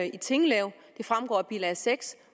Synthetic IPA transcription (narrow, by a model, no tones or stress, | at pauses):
it͡sʰe̝ŋəlɛʊd̥e̝fʁamɡ̥ɒ̰ːb̥iːlæseɡ̥s